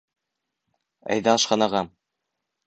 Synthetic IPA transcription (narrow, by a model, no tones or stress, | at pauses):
æ̰jðæɤ̆ʃqɑnɑʁɑm